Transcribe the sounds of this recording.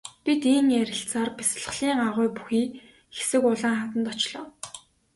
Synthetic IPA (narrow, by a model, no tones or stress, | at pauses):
pʲit̪iːŋæɾʲɪ̆ɬt͡saːrpis̆ɮ̆ɮ̥iːŋaʁʊjpu̥xiː | xe̥sɘ̆kʊɮaːŋχat̪ə̆nt̪ɔt͡ɕɮɔː